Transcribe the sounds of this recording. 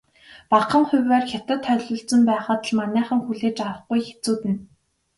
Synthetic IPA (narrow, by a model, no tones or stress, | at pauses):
paqə̆ŋχʊ̟wʲæːrxʲat̪ə̆t̪ʰːœɮʲʊ̆ːɬt͡sə̆mpæːχaːt̪ə̆ɮmanʲæːχə̆ŋxuɮeːt͡ɕaɾə̆χɡujxe̥t͡suːt̪ɘ̆n